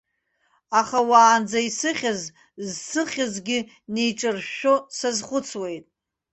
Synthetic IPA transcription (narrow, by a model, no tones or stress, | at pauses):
aχawaːnd͡zaisɨχʲaz | zsɨχʲazɡʲɪ | nejʈ͡ʂʼɨrʃosazχʷʊt͡sʰwe̞jtʼ